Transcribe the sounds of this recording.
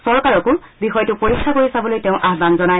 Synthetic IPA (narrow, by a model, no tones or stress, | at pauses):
sɔɹkaɹɔkʊbixɔjtʊpoɹikʰːakoɹisabɔlojteʊ̃ʔaɦbanzɔnaj